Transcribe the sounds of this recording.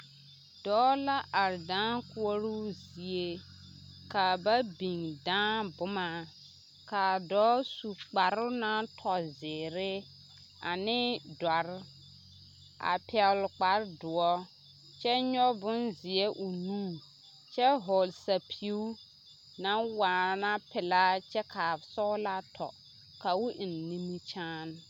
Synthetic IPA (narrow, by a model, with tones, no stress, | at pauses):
dɔː˨˦la˦ʔa˨ɾdãː˦kʊ˦ɔ˦ɾu˦zi˨e˦ | ka˨ba˦bi˨ŋdãː˦bʊ˦ma˨ | ka˨dɔː˨˦su˨k͡pa˨ɾʊ˦na˦tʰɔ˨zɪː˨ɾɪ˦ | a˨nɪ˦dɔ˨ɾ | a̰˨pɛ˨ɣlk͡pa˨ɾdʊ˨ɔ˦ | t͡ʃɛ˦ɲɔ˦bʊ˦nzɪ˨ɛ˦ʔʊ˨nũː˦˨ | t͡ʃɛ˦ɦo˨lsa˨pʰi˨u˦ | na˦nwaː˨na˦pɪ˨la˦t͡ʃɛ˦kʰa˨sɔ˦la˦tʰɔ̰˨ | ka˨wu˦ʔɪ˨nː˨i˦mi˦t͡ʃaː˦n˦